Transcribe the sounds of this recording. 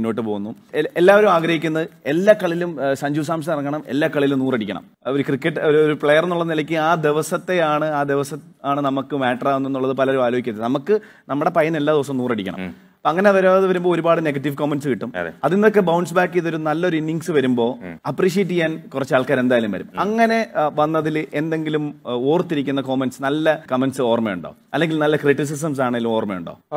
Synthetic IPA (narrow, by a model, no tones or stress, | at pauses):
nːoːʈːɨpo̞ːɣunːu | elːaːʋɐɾumaːɡɾɐhikʲːunːɐðɨe̞lːaːkːɐɭilumsɐɲd͡ʑuːs̬aːmɕ̬ɐmirɐŋːɐɳɐme̞̰lːaːkːɐɭilumnuːreɽikʲːɐɳɐ̰m | oɾukrikːɐʈːoɾoɾupɭejɐrenːuɭːɐðɨnilɐkʲːɨaːd̪eʋɐsɐt̪ːe̞aːɳɨaːd̪eʋɐsɐt̪ː | aːɳɨnɐmukːɨmaːʈːɐraːʋenːenːuɭːɐðɨpɐlɐɾumaːloːɦikːɐt̪ːenɐmukːɨ | nɐmːuɽe̞pɐjɐne̞lːaːd̪iʋɐs̬ɐmnuːrɐɽikʲːɐ̰ɳɐ̰m | poːɐŋːɐne̞ʋɐɾaɐðɨʋɐɾumbo̞ːoɾubaːɽɨneɡɐʈːiʋkoːmːenɖsɨkiʈːumɐðinnːokːe̞bɐwɳɖsbaːkːiðoɾunɐlːɐoɾuinːiŋɡsɨʋɐɾumbo̞ːɐpːriːʂ̬ieʈ̬ːikʲːaːnkurɐt͡ɕːaːɭkːaːɾe̞nd̪aːjɐlumʋɐɾṵmɐŋːɐne̞ʋɐnːɐðile̞nd̪e̞ŋɡilumoːrt̪ːiɾikʲːunːɐko̞ːmenɖsnɐlːɐkɐmenɖsɨoːrmejuɳɖo̞̰ːɐlːe̞ŋɡilnɐlːɐkriʈːis̬is̬ɐms̬aːɳeŋɡilumo̞ːrmejṵɳɖo̰ː